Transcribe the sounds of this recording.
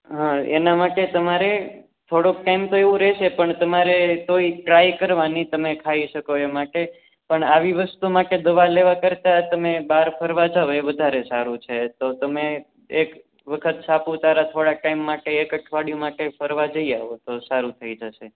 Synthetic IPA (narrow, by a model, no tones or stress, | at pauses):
ɦãḛnamaʈet̪əmaɾe | t̪ʰoɽokʈaimt̪oeʋũɾɛʃepəɳt̪əmaɾet̪oiʈɾajkəɾʋanit̪əmekʰaiʃəkoemaʈe | pəɳaʋiʋəst̪umaʈed̪əʋaleʋakəɾt̪at̪əmebaɾpʰəɾʋad͡ʒaʋoeʋəd̪ʱaɾesaɾũt͡ʃʰet̪ot̪əme | ek | ʋəkʰət̪t͡ʃapũt̪aɾat̪ʰoɽaʈaimːaʈeekəʈʰʋaɽjũmaʈepʰəɾʋad͡ʒəiaʋot̪osaɾut̪ʰəid͡ʒəʃe